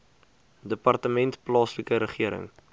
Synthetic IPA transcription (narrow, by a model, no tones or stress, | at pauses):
dəpɐrtəmɛntplɑːsləkəɾəχiəɾə̰ŋ